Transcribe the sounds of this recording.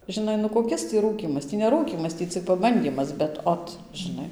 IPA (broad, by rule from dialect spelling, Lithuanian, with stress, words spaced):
ʒʲɪˈnɐɪ nʊ koːˈkʲɪs tʲiː ˈruːkʲiːmɐs ˈtʲiː nʲɛ ˈruːkʲiːmɐs ˈtʲiː t͡sʲɪk pɐˈbɐnʲdʲiːmɐs bʲɛt ˈoːt ʒʲɪˈnɐɪ